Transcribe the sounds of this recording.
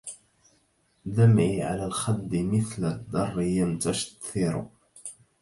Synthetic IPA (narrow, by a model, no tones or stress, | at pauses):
d̪amʕiːʕa̰laːlxad̪ːɪmɪθlad̪ːɑrˤːɪjamt̪aʃt̪ɪɾʊ̰